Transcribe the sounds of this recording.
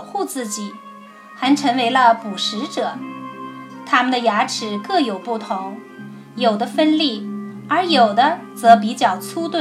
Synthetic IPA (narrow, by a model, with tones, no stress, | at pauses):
xu˥˧t͡sɹ̩˥˩t͡ɕi˨˩˦ | xa˧˥nʈ͡ʂʰɤ˧˥ŋwe˧˥ɪlə˧pu˨˩ʂɻ̩˧˥ʈ͡ʂɤ˨˩˦ | t̪ʰa˥mə˨nd̪ə˩ja˧˥ʈ͡ʂʰɻ̩˨˩kɤ˥˩jo˨˩ʊpu˥˩t̪ʰʊ˧˥ŋ | jo˨˩ʊd̪ə˦fə˥nli˥˩ | ə˞˧˥jo˨˩ʊd̪ə˦t͡sɤ˧˥p̬i˧˥t͡ɕjɑ˨˩ʊt͡sʰu˥t̪w